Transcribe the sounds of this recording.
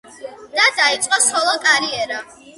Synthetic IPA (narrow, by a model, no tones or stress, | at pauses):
d̪̥ad̪ait̪sʼqʼɔsχɔlˠɔkʼaɾiɛɾa